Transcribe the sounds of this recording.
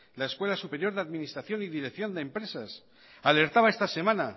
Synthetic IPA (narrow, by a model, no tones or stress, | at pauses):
laeskwe̞lasupe̞ɾjo̞ɾðeaðminist̪ɾaθjo̞niðiɾe̞kθjo̞nd̪empɾe̞sas | ale̞ɾt̪aβae̞st̪ase̞mãna